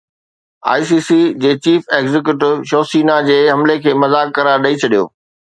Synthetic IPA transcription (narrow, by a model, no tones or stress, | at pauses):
a̰ːis̬iːsid͡ʑeːt͡ɕiːfeːɡzɪk̬juʈɪʋʃoːsiːnad͡ʑeːɦɐmlekʰeːmɐzaːkːɐɾaːɾɗɐit͡ɕʰɐɗijo̰ː